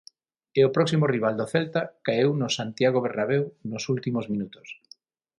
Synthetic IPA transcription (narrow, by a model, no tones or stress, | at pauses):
eopɾɔksimoriβ̞ald̪oθɛlt̪akaewnʊsant̪jaɣ̞oβernaβewnosult̪imozmĩnut̪o̥s